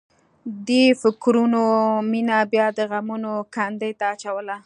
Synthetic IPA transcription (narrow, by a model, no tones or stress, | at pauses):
d̪efɪkɾunominabjɑd̪əɣamunokand̪əjt̪aːt͡ʃawəla